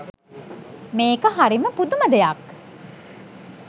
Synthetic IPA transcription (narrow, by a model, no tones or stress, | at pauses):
meːkəɦaɾiməpud̪uməd̪ejak